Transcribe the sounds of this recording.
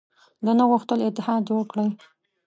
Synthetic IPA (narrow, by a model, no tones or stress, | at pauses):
d̪ənaɣuxt̪əlɪt̪ːɪhɑd̪joəɽkɽəj